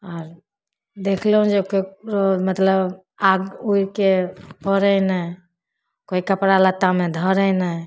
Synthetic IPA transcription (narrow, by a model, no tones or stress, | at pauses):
ɔːɾ | d̪ekʰleɦũd͡ʒekokɾomət̪ləb | aɡuikepəɾənə | koikəpɾalət̪ːamẽd̪ʱəɾənə